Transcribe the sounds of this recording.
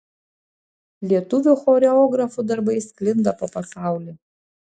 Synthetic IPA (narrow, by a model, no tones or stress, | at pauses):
lʲetʰʼuvʲɪχoɾeoɡrafudarbaiskʼlʲɪndapʼapʼasawlʲi